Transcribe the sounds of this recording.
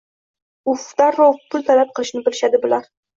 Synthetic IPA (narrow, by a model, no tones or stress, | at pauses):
ʊft̪aɾopʰʊlt̪ʰalap̚qʰɨlˠɪʃnɪbɪlɪʃad̪ɪbʊlaɾ